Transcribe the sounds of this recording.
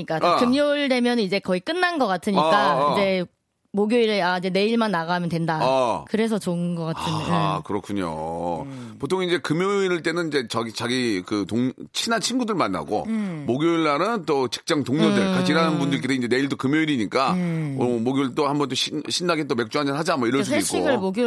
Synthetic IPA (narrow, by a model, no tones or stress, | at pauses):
ik͈akɯmjoɭde̞mjʌnnid͡ʑe̞kʌik͈ɯnːanɡʌk͈atʰɯɲik͈aid͡ʑe̞ | moɡjoiɾɯaid͡ʑe̞ne̞iɭmanːaɣaɦmjʌntwe̞ndaakɯɾe̞s̬ʰʌt͡ɕoɯnɡʌk͈atʰɯnakɯɾʌkʰuɲo̰ | potʰoŋind͡ʑe̞kɯmjoiɾɯɭt͈e̞nɯniɲd͡ʑe̞t͡ɕait͡ɕaɡikɯtoŋt͡ɕʰinant͡ɕʰinɡudɯɭmanːa̰ɡo̰moɡʲjoiɭːanɯnt͈ot͡ɕi̥k̚t͡ɕ͈aŋtoŋɲʌdɯɭkaiɾanɯnbundɯɾiketeid͡ʑe̞ne̞iɭdokɯmjoiɾiɲik͈a | moɡjoiɭt͈ohambʌnt͈oɕʰiɕʰinːaɡet͈ome̞k̚t͡ɕ͈uad͡ʑʌnɦad͡ʑamʌiɾʌɭsusʰedoiɕk͈ʰioɡɯɭmoɡjo